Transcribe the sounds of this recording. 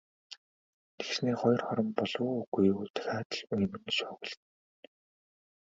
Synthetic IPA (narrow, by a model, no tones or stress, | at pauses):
t̪ʰe̥ksneːχɔjɞ̆rχɔɾɞ̆mpɔɮʊːɡujut̪ɵ̥xaːt̪ə̆ɮɵjmɘ̆nʃʊːɣə̆ɮt̪̆n